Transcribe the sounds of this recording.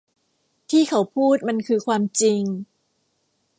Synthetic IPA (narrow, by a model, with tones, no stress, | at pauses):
t̪ʰiː˥˩kʰa˨˦wpʰuː˥˩t̪̚ma˧nkʰɯː˧kʰwaː˧mt͡ɕi˧ŋ